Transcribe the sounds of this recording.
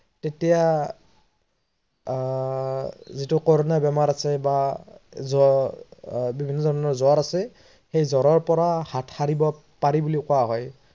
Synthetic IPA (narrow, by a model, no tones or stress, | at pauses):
tetija | zitʊkɔɹɔnabɛmaɹasɛba | zɔ | bibʱinːɔzɔɹɔnɔɹzɔɹasɛ | xejzɔɹɔɹpɔɹahatʰhaɹibɔ | paɹibulikʊaɦɔj